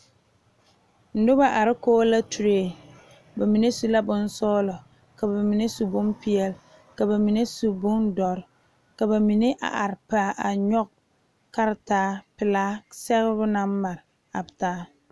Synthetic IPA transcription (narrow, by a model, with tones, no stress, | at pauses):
n̩˨dʊ˦ba˦ʔa˨ɾɪ˦koː˦la˦tu˨ɾeː˦˨ | ba˨mi˨ne˦su˦la˦bʊ˦n˦sɔː˦lɔ˨ | ka˨ba˨mi˨ne˦su˨bʊ˦mpi˦ɛ˦l | ka˨ba˨mi˨ne˦su˨bʊ˦ndɔ˨ɾ | ka˨ba˨mi˨ne˦ʔa̰˨ʔa˨ɾɪ˨pa˨˦˨ʔa˨ɲɔ˦k̚ | ka˦ɾɪ˦taː˦pɪ˨laː˦sɛ˦ɣɪ˦bʊ˦na˦m˦ma˨ɾɪ˨ | a˨btaː˦